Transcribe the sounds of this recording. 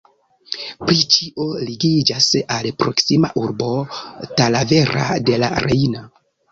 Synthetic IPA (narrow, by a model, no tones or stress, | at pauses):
pɾit͡ʃiʔoliɡid͡ʒasalpɾo̞̰ksima̰ʔuɾbo̞talave̞ɾa̰de̞la̰ɾejno